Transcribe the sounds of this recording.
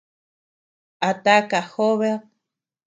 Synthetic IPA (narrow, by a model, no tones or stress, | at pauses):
at̪akaxoβe